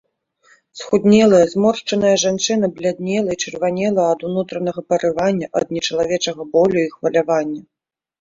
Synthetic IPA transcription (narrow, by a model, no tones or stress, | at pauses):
sxud̪ʲnʲɛlˠɐjɐzmɔrʂt͡ʂɐnɐjɐʐant͡ʂɨn̪ɐblʲad̪̚ʲnʲɛlˠɐit͡ʂɨrvanʲɛlˠɐjɐɐd̪unut̪ɾɐnɐɣɐpɐɾɨvanʲːɐʔɐ̰d̪̚nʲɛt͡ʂɐlˠavʲɛt͡ʂɐɣɐbɔlʲuixvɐlʲavanʲːɐ